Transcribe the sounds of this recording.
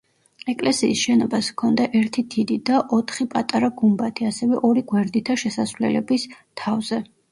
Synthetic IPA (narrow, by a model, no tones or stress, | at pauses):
ɛkʼlɛsiːsʃɛnɔbaskʰɔnd̪aʔɛɾt̪ʰid̪ʰid̪id̪aʔɔt̪ʰχipʼat̪ʼaɾaɡumbat̪ʰiasɛvɛʔɔɾiɡwɛɾd̪it̪ʰaʃɛsasvlɛ̰lɛbist̪ʰavzɛ